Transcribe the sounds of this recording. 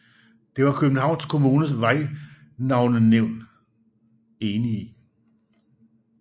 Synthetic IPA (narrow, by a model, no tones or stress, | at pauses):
d̥e̝ʋɑ̈kʰøb̥n̩ɦɑ̈ʊ̰nskʰo̝muːnəsʋɑ̈ɪ̰ | nɑ̈ʊnəneʊ̰n | e̝ːnii